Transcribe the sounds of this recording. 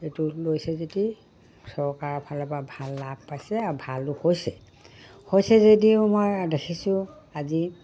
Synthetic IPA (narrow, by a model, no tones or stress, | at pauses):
etulojsɛzeti | sɔɹkaɹbʰʱalɔpabʱalːab̚pajsɛabʱalʊhojsɛ | hojsɛzet̬iʊmojdekʰisʊ | azi